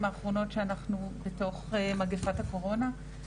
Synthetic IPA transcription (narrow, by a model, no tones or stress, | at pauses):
maːχʁo̞no̞tʃeanaχnubeto̞χmaɡefathako̞ʁo̞na